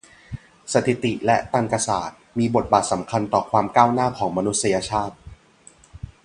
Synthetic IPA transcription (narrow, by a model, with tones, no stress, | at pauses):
sa˧t̪ʰi˨˩t̪i˨˩lɛ˦˥t̪aː˧nka˧sa̰ː˨˩t̪̚miː˧bo˨˩t̪̚baː˨˩t̪̚sa˩˦mkʰa˧nt̪ɔː˨˩kʰwaː˧mkaː˥˩wnaː˥˩kʰɔː˩˦ŋma˧nu˦˥t̪̚sa˧ja˧t͡ɕʰaː˥˩t̪̚